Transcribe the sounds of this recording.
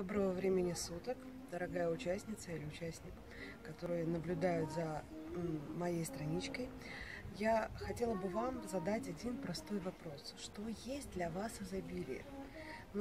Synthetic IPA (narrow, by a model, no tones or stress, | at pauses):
d̪obɾəvəvɾʲemʲɪnʲɪsut̪əkd̪əɾɐɡajəʊt͡ɕæsʲnʲɪt̪səilʲɪʊt͡ɕæsʲnʲɪk | kɐt̪o̞ɾɨjənəblʲʊd̪ajʊt̪zə | mɐjejst̪ɾɐnʲit͡ɕkəjjaxɐtʲe̞lˠəbɨvamzɐd̪atʲɐdʲinpɾɐst̪o̞jvɐpɾo̞sʂt̪o̞jesʲt̚ʲd̪lʲɐvasɐzɐbʲilʲɪ̰ɪ̰ | n